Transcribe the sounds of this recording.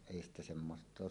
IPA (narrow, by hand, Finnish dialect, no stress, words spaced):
eˑi stæ semːost̆ oːs